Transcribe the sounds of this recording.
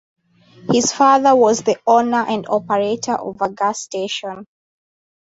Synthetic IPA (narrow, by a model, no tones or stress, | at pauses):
hɪz̥faðəwɔzðiɔnə˞ʔæ̃ndɔpəɹetʰə˞ʔɔ̰vəɡasteʃɔ̃n